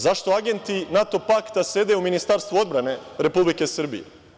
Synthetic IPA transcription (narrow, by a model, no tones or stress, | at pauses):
zaʃt̪o̞aɡe̞nt̪inat̪o̞pakt̪ase̞d̪euminist̪aɾst̪vʋuo̞d̪bɾane̞ɾe̞publike̞sr̩bḭjḛ